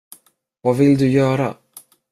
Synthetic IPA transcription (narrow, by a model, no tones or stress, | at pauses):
vavɪld̪ɵjœːɾa̰